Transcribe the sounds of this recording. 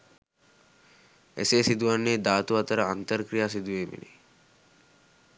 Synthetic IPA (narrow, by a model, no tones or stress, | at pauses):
ḛsesid̪uʋanːeːd̪aːt̪uʋat̪əɾəant̪əɾkɾijaːs̬id̪uʋeːmḭnḛ